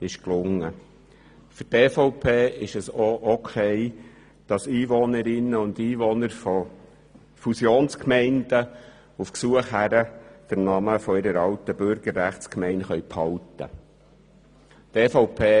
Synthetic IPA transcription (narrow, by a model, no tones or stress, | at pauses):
ɪʃklʊŋːə | fʏɾteːfɔʊpʰeːɪʃɛsoʔɔkʰɛɪ | d̥ɑsiːʋɔnəɾɪnːəʊnd̪iːʋɔnəɾfɔ | fusjoːnskmɛɪnd̥ə | ufksuəχɦæɾəd̪̥əɾnɑməfɔɪɾəɾɑwt̪əb̥ʏɾɡ̥əɾːæχtskmɛɪnχœɥpʰhɑwtə̰ | teːfɔʊpʰeː